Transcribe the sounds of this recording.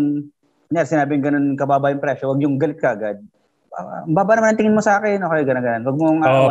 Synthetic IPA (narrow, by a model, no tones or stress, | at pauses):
ɲasɪnaːbɪŋɡɐno̞nkɐbaːbɐʔjʊŋpɾɛʃowɐɡjʊŋɡɐlɪt̪kɐʔɐɡad̪̚ | mbaːbɐnɐmanɐŋt̪ɪŋɪnmosɐʔaːkɛnʔoːkɐjɡɐnɐnɡɐnonwɐɡ̚moŋʔa